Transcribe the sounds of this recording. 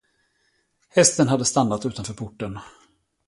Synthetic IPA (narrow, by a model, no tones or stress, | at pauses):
hɛst̪ənɦad̪ːəst̪anːat̪ʉ̟ːt̪anfœːɾpʰʊʈːən